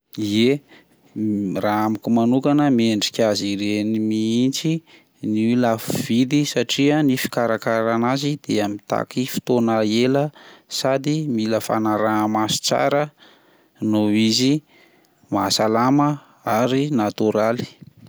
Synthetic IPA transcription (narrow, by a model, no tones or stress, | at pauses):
ie | raamikumanukanəmieɳɖ͡ʐikʲaziɾenimiint͡si | nilafuvid̪isaʈ͡ʂiənifi̥kaɾakaɾanazid̪̥eamit̪a̰kifi̥t̪onəeləsad̪imiləfa̰naɾamasi̥t͡sa̰ɾə | noizi | masalamə | aɾinat̪uɾali̥